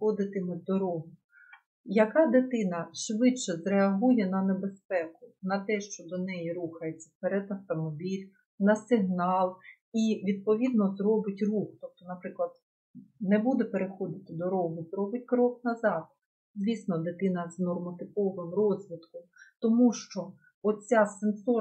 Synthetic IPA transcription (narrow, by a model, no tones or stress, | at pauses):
ɔd̪ɪt̪ɪmɪd̪ɔɾɔɦʊ | jɐkɑd̪ɪt̪ɪnɐʃʋɪt͡ʃɛzɾeɐɦujɛnɐnebespɛkʊnɐt̪ɛʃt͡ʃɔd̪ɔnɛjiɾuxɐjet͡sʲːɐ̥pɛɾɛd̪ɐft̪ɔmɔbʲilʲ | nɐsɪɦnɑlˠ | iʋʲid̪̚pɔʋʲid̪̚nɔzrɔbɪtʲruxt̪ɔp̚t̪ɔnɐpɾɪklˠɐd̪̥ | nɛbud̪ɛpeɾexɔd̪ɪt̪ɪd̪ɔɾɔɦʊzɾɔbɪtʲkɾɔknɐzɑd̪̚ | zʋʲisnɔd̪ɪt̪ɪnɐznɔrmɐt̪ɪpɔʋɪmrɔzʲʋʲit̪kʊmt̪ɔmuʃt͡ʃɔ | ɔt͡sʲasensɔ